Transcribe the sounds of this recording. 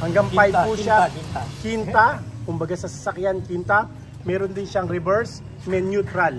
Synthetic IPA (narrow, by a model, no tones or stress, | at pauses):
hɐŋɡaŋpajpuʃakint̪ɐkʊmbɐɡasɐsasɐkjankint̪ɐ | mɛːɾond̪ɪnʃaŋɾɪbɛɹs | mɛnjut̪ɾal